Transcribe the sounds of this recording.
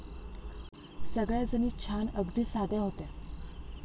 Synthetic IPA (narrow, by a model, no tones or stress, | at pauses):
səɡɭjad͡zəniːt͡ɕʰanəɡd̪iːsad̪ʱjaɦot̪ɛ